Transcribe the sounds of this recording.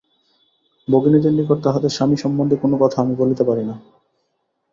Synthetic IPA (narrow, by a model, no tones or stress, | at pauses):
boɡinit̪enːikoɾt̪aɦɔt̪eʃaniʃɔmbond̪ʱekonokɔt̪ʰaamibolit̪epaɾina